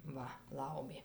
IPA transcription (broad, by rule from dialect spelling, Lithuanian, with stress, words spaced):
ˈʋɐ ˈlˠɐʊmʲeː